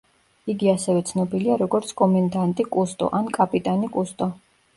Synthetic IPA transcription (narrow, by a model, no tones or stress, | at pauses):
iɡiasɛvɛt̪sʰnɔbiliaɾɔɡɔɾt̪sʰkʼɔmɛnd̪ant̪ʼikʼust̪ʼɔ̰ʔankʼapʼit̪ʼanikʼust̪ʼɔ